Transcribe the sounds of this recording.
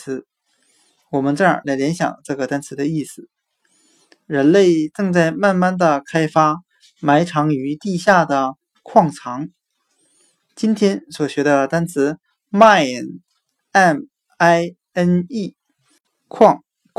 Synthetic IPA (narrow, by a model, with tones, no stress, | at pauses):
ɹ̩˧˥ | wɔ˨˩mə˦nt͡sɤ˥˩ə̰˞˨˩la˧˥ɪljɛ˧˥nɕjɑ̰˨˩ŋʈ͡ʂɤ˥˩ɡə˩t̪a˥nt͡sʰɹ̩˧˥d̪ə˧i˥˩sɹ̩˨˩ | ɻə˧˥nle˥˧ɪʈ͡ʂɤ˥˧ŋt͡sa˥˧ɪma˥˧nma˥˩nd̪ə˨kʰa˥ɪfa˥ | ma˧˥ɪʈ͡ʂʰɑ˧˥ŋy˧˥t̪i˥˧ɕja˥˩d̪ə˩ | kʰwɑ˥˩ŋt͡sʰɑ˧˥ŋ | t͡ɕi˥nt̪ʰjɛ˥nswɔ˨˩ɕɥɛ˧˥d̪ə˧t̪a˥nt͡sʰɹ̩˧˥ | ma˥˩˨n | ɛ˥˩n | a˥ɪ | ə˥ni˥˩ | kʰwɑ˥˩ŋ